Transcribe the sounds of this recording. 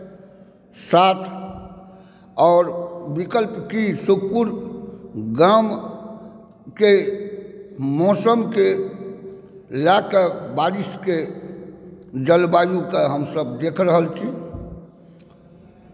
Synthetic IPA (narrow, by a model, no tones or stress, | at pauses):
sat̪ʰ | ɔːɾbikəlpkisuk̚puɾ | ɡam | ke | mɔsəmke | lakebaɾiske | d͡ʒəlbajukaɦəmsəb̚d̪ekʰɾəɦəlt͡ʃʰi